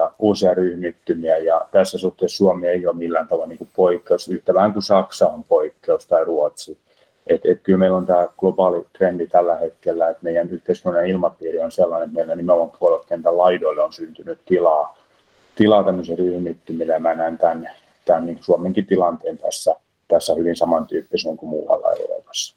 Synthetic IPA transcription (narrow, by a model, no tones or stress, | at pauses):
jɑuːsiɑryhmit̪ːymiæjɑt̪æsːæsuht̪eːˑssuomeeijoːmmilːæːnt̪ɑʋɑlniːŋkuppoikːeusyht̪æʋæhæŋkusɑksɑompoikːeust̪ɑiruot̪si | ʔet̪et̪kylmeilont̪æːɡ̥lopɑːlit̪rendit̪ælːæhet̪kelːæet̪meijænyht̪eiskynenilmɑpiːrionselːɑnet̪meilːennimeoʋɑmpuolelt̪kent̪ælɑidoilːeonsynt̪ynyt̪t̪ilɑː | t̪ilɑːt̪æmːøseryhmit̪ːymilemænænt̪æn | t̪ænniːŋku̥suomeŋkit̪ilɑnt̪eːnt̪æsːæ | t̪æsːæhyʋinsɑmɑnt̪yːpːisnoŋkumṵːʋɑ̰lːɑ̰ḛro̰lo̰mɑsːɑ̥